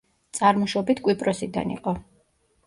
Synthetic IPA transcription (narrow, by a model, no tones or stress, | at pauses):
t̪sʼaɾmɔʃɔbit̪ʰkʼwipʼɾɔsid̪a̰nḭqʼɔ